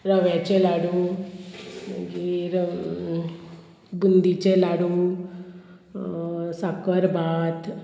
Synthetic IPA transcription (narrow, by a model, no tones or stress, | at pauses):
ɾəʋjat͡ɕelaɽu | ɡiɾ | bund̪it͡ɕelaɽu | sakəɾbat̪